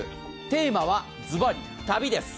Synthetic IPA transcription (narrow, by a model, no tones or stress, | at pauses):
t̪e̞ːmaβ̞a | d͡zɨbaɾʲi | t̪abʲid̪e̞sɨ̥